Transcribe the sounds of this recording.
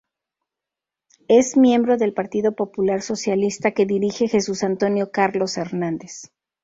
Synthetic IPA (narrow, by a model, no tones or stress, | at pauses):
e̞zmje̞mbɾo̞ðe̞lpaɾt̪iðo̞po̞pulaɾso̞sjalist̪ake̞ðiɾixe̞xe̞susant̪o̞njo̞kaɾlo̞se̞ɾnãnd̪es